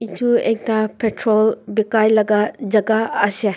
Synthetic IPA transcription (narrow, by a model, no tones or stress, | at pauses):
itʰuek̚tapʰetʰɾolbikajlɐɡad͡ʒɐɡaɐse